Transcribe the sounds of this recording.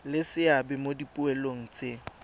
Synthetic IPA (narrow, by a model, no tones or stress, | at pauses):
lɪsɪabɛmodipʼʊɛloŋ̩t͡sʼe